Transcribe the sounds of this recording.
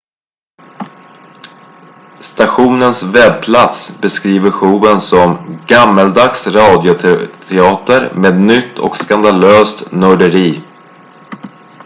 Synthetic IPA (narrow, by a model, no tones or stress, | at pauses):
st̪aɧuːnənsvɛb̚pʰlat̪sbɛskɾiːvəɾɧuːənsɔmɡamːəld̪aksɾɑːd̪jʊt̪ʰt̪ʰɛɑːt̪əɾmeːd̪nʏt̪ʰːɔ̰kskand̪aløːst̪nœɖəɾiː